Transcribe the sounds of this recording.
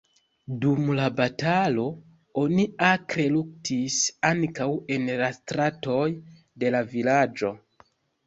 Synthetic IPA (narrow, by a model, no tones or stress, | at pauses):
dumlabatalo̞ | o̞niakɾe̞luk̚tʰisaŋkawe̞nlastɾato̞j | de̞lavilad͡ʒo̞